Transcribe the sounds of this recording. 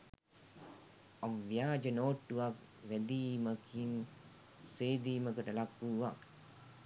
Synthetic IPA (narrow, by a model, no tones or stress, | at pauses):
aʋʋjaːd͡ʒənoːʈːuʋak̚ | ʋæd̪iːməkin | seːd̪iːməkəʈəlakːuːʋak